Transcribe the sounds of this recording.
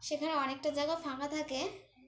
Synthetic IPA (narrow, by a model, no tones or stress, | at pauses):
ʃekʰaneɔnek̚ʈad͡ʑajɡafakat̪ʰake